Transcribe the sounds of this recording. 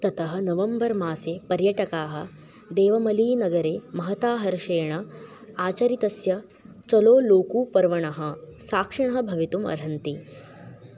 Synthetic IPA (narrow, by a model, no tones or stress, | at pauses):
t̪ɐt̪ɐɦɐ̆nɐʋɐmbɐɾmaːseːpɐɾjɐʈɐkaːɦɐ̆ | d̪eːʋɐmɐliːnɐɡɐɾeːmɐɦɐt̪aːɦɐɾʃɐjɐɳɐ | aːt͡ʃɐɾit̪ɐsjɐ | t͡ʃɐloːloːkuːpɐɾʋɐɳɐɦɐsaːkʂɐɳ̃ɐɦɐbʱɐʋit̪umɐ̰ɾɦɐnt̪i